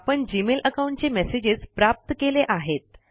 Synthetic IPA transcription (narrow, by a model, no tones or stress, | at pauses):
pəɳd͡ʑimelʔəkaw̃ɳʈ̚t͡ɕemɛsed͡ʑed͡zpɾap̚t̪əkeleʔaɦet̪̚